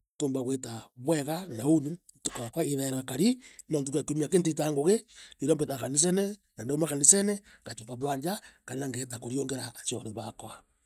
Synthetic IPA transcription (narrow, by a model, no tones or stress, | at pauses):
toːmbaɣwetaβweɣanauni | tokakwaiðeɾakaɾinont̬ukakumiakent̬itaŋɡoɣeniɾombetakanis̬enenandmakanisene | ɡat͡ʃepaβwaɲd͡ʒakanenaŋɡetakoɾjoŋɡeɾaːt͡ʃoɾeβakwa